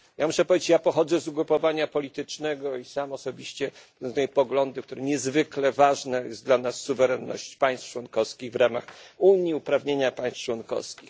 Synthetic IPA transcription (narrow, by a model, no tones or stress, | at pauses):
jamuʂɛpɔvʲed͡ʑeɪt͡ɕjapɔxɔd̪zɛzuɡɾupɔvaɲapɔlʲit̪ɘt͡ʂnɛɡɔisamɔsɔbʲiɕt͡ɕɛ | ɛajɛpɔɡlɔnd̪ɘkt̪uɾɛɲɛzvɘklɛvaʐnɛjɛsd̪lanasːuvɛɾɛnːɔ̰ɕt͡ɕpaj̃st̪ft͡ʂwɔnkɔfskʲiɣvɾamaxuɲjiupɾavɲeɲapaj̃st̪t͡ʂwɔnkɔ̰fskʲix